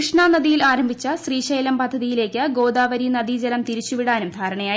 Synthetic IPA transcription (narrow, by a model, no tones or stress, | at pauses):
ʂɳanɐðijilaːɾɐmbʱit͡ɕːɐɕriːɕɐjɐlɐmpɐd̪ʱːɐðijile̞ːkʲːɨɡo̞ːd̪aːʋɐɾinɐd̪id͡ʑɐlɐmt̪iɾit͡ɕːuʋiɽaːnumd̪ʱaːɾɐɳɐjaː